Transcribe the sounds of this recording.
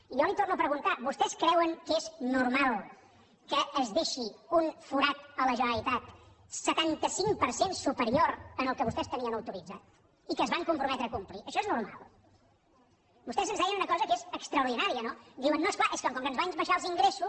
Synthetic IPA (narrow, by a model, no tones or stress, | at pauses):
iɔlit̪ornuəpɾəɣunt̪aβust̪ɛskɾɛwəŋkeznuɾmalˠ | kəːzðeʃiunfuɾat̪ələʒənəlit̪at̪ | sət̪ant̪əsiŋpəɾsensupəɾioɾənəlˠkəβust̪ɛst̪əniənəwt̪uɾid͡zat̪̚ | ikəzβaŋkumpɾumɛt̪ɾəkumpliʔəʃɔeznuɾma̰lˠ | bust̪ɛzənzðɛjənunəkɔzəkezəkst̪ɾəuɾð̞inaɾiənod̪iwənːoesklaʔeskəŋkɔŋkənzβanzβəʃaəlˠziŋɡɾesus